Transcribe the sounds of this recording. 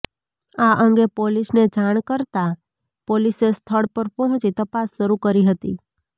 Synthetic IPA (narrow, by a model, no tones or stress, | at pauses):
aʔəŋɡepolisned͡ʒaɳ̃kəɾt̪a | polisest̪ʰəɽpəɾpɔɦɔ̃t͡ʃit̪əpasʃəɾukəɾiɦət̪i